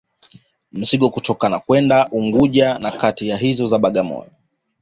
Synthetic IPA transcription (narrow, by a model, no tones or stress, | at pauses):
m̩siɠɔkutʰɔkanakwɛndaʔuŋɡuʄanakatijaɦizɔzaɓaɠamɔ̰jɔ